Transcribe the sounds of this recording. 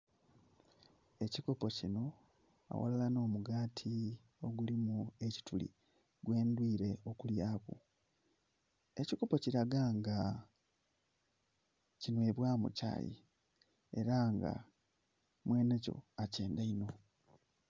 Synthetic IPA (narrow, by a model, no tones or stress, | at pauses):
e̞ciko̞pocino̞ | a̰wo̰lalano̞ːmuɡaːtʰi | o̞ɡulimue̞ci̥tulḭ | ɡwe̞ːndwiːɾe̞o̞kuljaːkṵ | e̞ciko̞po̞ciɾaɡaŋɡa | cinwe̞ːβwaːmṵca̰ːjḭ | e̞̰ɾaŋɡa̰ | mwe̞ːne̞co̞̰ace̞ːndaino̞